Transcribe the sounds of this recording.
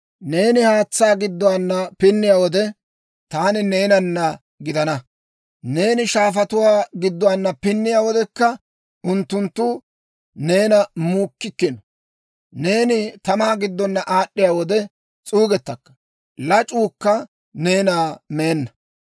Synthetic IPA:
ne̞ːnɪhaːt͡sːaːɡɪd̪ːɔwanːɐpɪnːɪjaːwɔd̪ɛ | t̪aːnɪne̞ːnɐnːɐ | ɡɪd̪ɐnɐ | ne̞ːnɪʃaːfɐt̪ʊwaːɡɪd̪ːɔwanːɐpɪnːɪjaːwɔd̪ɛkːɐ | ʊnt̪ːʊnt̪ːʊ | ne̞ːnɐmuːkːɪkːɪnɔ | ne̞ːnɪt̪ɐmaːɡɪd̪ːɔnːɐʔaːɗːɪjaːwɔd̪ɛ | t͡sʼuːɡɛt̪ːɐkːɐ̥ | lɐt͡ʃʼuːkːɐ | ne̞ːnaːme̞ːnːɐ

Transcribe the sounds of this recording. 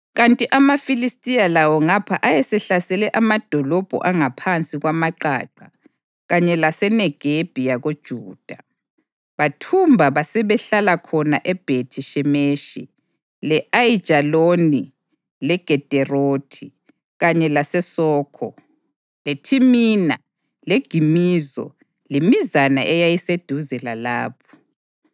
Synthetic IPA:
ɣantʼiʔamafilistʼijalawɔŋapʰaʔajɛsɛɬasɛlɛʔamad̥ʱɔlɔb̥ʱɔ̰ʔaŋapʰant͡sʼiɣwamaǃa̰ǃa | ɣaɲɛlasɛnɛɡ̥ʱeb̥ʱijaɣod̥ʒ̥ʱuːd̥ʱa | βatʰumbʱaβasɛβɛɬalakʰɔnaʔɛb̥ʱetʰiʃɛmeʃḭ | lɛʔajid̥ʒ̥ʱaloni | lɛɡ̥ʱɛd̥ʱɛrotʰi | ɣaɲɛlasɛsɔːkʰɔ̰ | letʰimiːna | leɡ̥ʱimiːzɔ̰ | lemizana̰ʔɛjajised̥ʱuzɛlalaːpʰɔ̥

